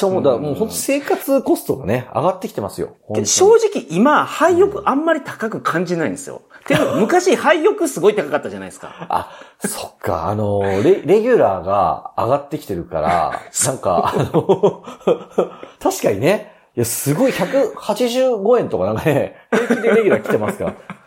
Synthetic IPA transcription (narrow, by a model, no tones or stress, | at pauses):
omod̪amoːho̞nt̪o̥se̞ːkat͡sɨko̞st̪o̞ɡane̞a̰ɡat̪ːe̞kʲi̥t̪e̞masɨjo̰hõkeoɕo̞ːʑikʲiʔimahaijo̞kɯ̟ʔãmːaɾʲit̪akakɯ̟kʰãɲ̟d͡ʑinaĩnd̪esɨjo̰t̪eomɯ̟kaɕihaijo̞kɯ̟sɨɡo̞it̪akakat̪ːaʑanaisɨ̥ka̰a̰ | so̞̥kʰːa̰ːno̞ɾeɾe̞ɡʲɨɾa̰ːɡa̰aɡat̪ːe̞kʲi̥t̪e̞ɾɯ̟ka̰ɾa̰nãŋka̰no | t̪aɕi̥kaɲ̟ine | ijasɨɡo̞içakɯ̟hat͡ɕiʑɨːɡo̞ẽ̞nt̪o̞kanãŋkane̞heːkid̪eɾeɡʲɨɾakʲit̪e̞masɨ̥kaɾa